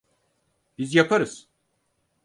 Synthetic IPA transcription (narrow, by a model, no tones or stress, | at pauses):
b̥izjapʰaɾɯz̥